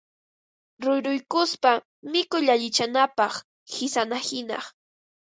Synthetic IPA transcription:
ɾʊjɾʊjkʊspa | mɪkʊʎaʎɪt͡ʃanapɑχ | hɪsanahɪnɑ̰χ

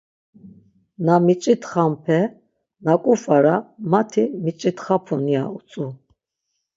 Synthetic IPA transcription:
namit͡ʃʼit̪χampʰɛ | nakʼufaɾamat̪ʰimit͡ʃʼit̪χapʰɔnia̰ut͡ssʼu

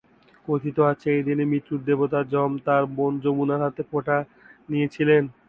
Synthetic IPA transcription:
kot̪ʰit̪oaɕʰeejd̪inemɾit̪ːuɾd̪ebot̪ad͡ʑɔmt̪aɾbond͡ʑomunaɾɦat̪epoʈa | nijet͡ɕʰilen

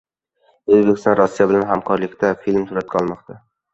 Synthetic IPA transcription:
ozbekʲɪst̪ɒnɾɒsːijabɪlanɦamkʰɒɾlɪkʲt̪ʰafilmsʊɾat̪̚kʲʰɒlˠmɒqt̪ʰa

